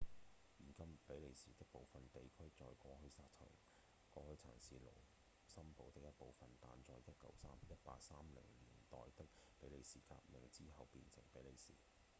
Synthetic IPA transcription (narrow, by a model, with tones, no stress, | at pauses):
ji˨˩nkɐ˥mpe˨˥jle˨˩jsiː˨˩t̪ɪ˥k̚po˨˧wfɐ˨nt̪e˨jkʰɵ˥ɥt͡sɔː˨˧jkɔː˧ɦɵ˧ɥsaː˧t̚t͡sʰɐ̰ː˨˩ | kɔː˧hɵ˧t͡sʰa̰ː˨˩nsiː˨lo̰˨˩w | sɐ˥mpo˨˥wt̪ɪ˥k̚jɐ˥t̚po˨wfɐ˨nt̪a̰ː˨nt͡sɔː˧jjɐ˥t̚kɐ̰˨˥wsaː˥mjɐ˥t̚pa̰ː˧k̚saː˥mlɪ̰˨˩ŋliː˨˩nt̪ɔ̰ː˨jt̪ɪ˥k̚pe˨˥jle˨˩jsiː˨˩ka̰ː˧p̚mɪ˨ŋt͡siː˥ɦɐ˨wpiː˧nsʰɪ̰˨˩ŋpe˨˥jle˨˧jsḭː˨˩